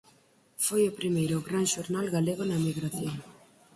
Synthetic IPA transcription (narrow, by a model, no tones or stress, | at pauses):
fojopɾimejɾoɣɾaŋʃoɾnalɣaleɣonɐmiɣɾaθjoŋ